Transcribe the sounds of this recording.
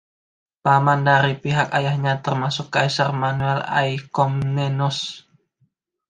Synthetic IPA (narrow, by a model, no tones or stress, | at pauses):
pamandaɾipiɦakajahɲat̪ərmasʊkːaisarmanuɛla̰jkɔmnɛnɔs